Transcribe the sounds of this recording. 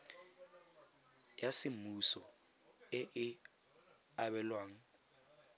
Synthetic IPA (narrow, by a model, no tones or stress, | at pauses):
jasɪm̩usɔ | ɪʔɪ | aɓɛlwaːŋ̩